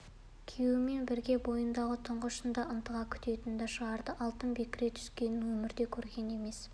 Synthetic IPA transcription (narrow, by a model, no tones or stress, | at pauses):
kʲʰewɪme̞nbɪɾɡʲe̞bo̞jənd̪ɑʁət̪ʰəɴʁəʃənd̪ɑʔənt̪əʁɑkʲʰʏ̥t̪e̞t̪ɪnd̪ɑʃəʁɑɾd̪əʔɑlˠt̪ənbekʲɾe̞t̪ʰʏ̥skʲe̞nɪnwɵmɪɾd̪e̞kʲʰɵɾɡʲe̞ne̞me̞s